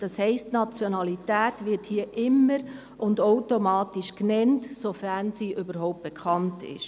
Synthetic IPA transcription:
d̥ɑshɛɪstnɑt͡sjonɑlitæːtvɪthiːəʔɪmːəɾ | ʔʊndoʊtomɑːtiʃknɛntsofæɾnsiːʔʏbəɾɦɔʊp̚t̚b̥ekʰχɑntʰɪ̰ʃ

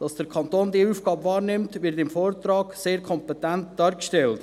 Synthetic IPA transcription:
d̥ɑsd̥əɾkʰɑnt̪oːndiəuːfɡ̥ɑːbvɑːɾnɪmtʋɪɾtɪmfoːɾtɾɑːɡ̥seːɾkʰɔmpɛtænt̚d̥ɑːɾkʃtɛlt

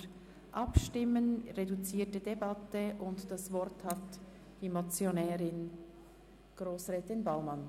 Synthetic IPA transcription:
ʔɑpʃtɪmənʁedut͡siːtədebɑtəʔʊntd̥ɑsvɔɾthɑt | d̥iːmat͡sjonɛːɾɪn | ɡ̥ʁoːsʁɛːtɪnbaʊmɑn

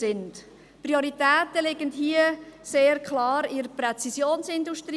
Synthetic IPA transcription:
ɪnd | prioɾitɛːtəlɪɡəndɦiəseːɾkʰlɑːɾiɾəprɛt͡sisjoːnsɪnduʃtɾi

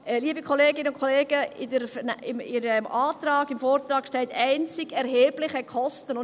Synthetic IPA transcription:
liːəbikʰoleːɡɪnəʊnkʰoleːɡ̥əɪdəɾfɪmiɾəmɑːt̪rɑːɡɪmfoːrt̪ɾɑːkʃtɛltæɪnt͡sɪɡɛɾɦeːblɪχəkχɔstənʊ

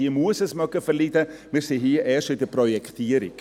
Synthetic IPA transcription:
iəmuəsəsmœkəfəɾlidəmiːɾsiɦiːʔɛːʃɪdəprɔjɛkʰt̪ʰiːəɾɪ̰k

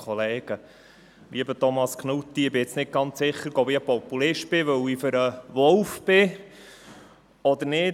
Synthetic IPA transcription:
ɔleːɡ̥ə | lʔiəbətɔmɑskχnut̪ːiɪbɪɪt͡snɪt̚ɡɑnt͡ssɪχːəɾɡobiəpɔpulɪʃt̚b̥ɪʋœwifʏɾəʋɔlfb̥ɪ | ɔd̪əɾnɪ

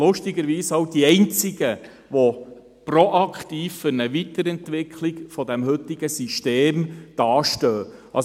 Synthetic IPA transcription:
lʊʃtɪɡəɾʋiːsɑwd̥iɛɪnt͡sɪɡə | ʋɔ | prɔʔɑkχtiːffʏɾnəʋit̪əɾɛnt̪ʋɪkʰlɪɡfɔd̪ɛmhɵtɪɡ̥əsiʃteːmd̥ɑːʃtœː | ɑ

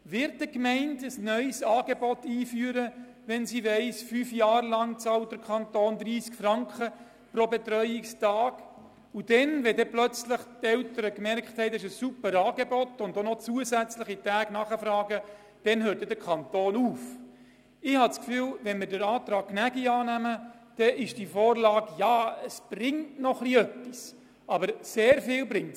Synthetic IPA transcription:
ʋɪɾt̚dəkmɛɪntəsnœʏsɑːɡ̥ebɔtiːfyːɾə | ʋɛnsiʋɛɪsfyːfjɑːɾlɑŋt͡sɑːlt̚d̥əɾkʰχɑntoːnd̪ɾiːskfɾɑŋkχə | pɾobet̪ɾœʏɪkstɑːɡ̥ | ud̥ɛnʋɛdɛplœt͡sləχtɛltəɾəkmɛrkχthɛɪtɪʃəsːupəɾɑːɡebɔtʊndonɔt͡suəsæt͡sləχitæːɡ̥nɑχəfɾɑːɡə | d̥ɛnhøːɾt̚ːɛdəɾkʰɑntoːnuːf | ɪhɑt͡skfyːlʋɛnmɪɾdəɾɑːt̪ɾɑːk̚knæɡiɑːnæmə | d̥ɛɪʃd̥ifoːrlɑːɡjɑːəsb̥ɾɪŋtnɔχliœpːis | ɑbəɾseːɾfɪːlbɾɪŋt

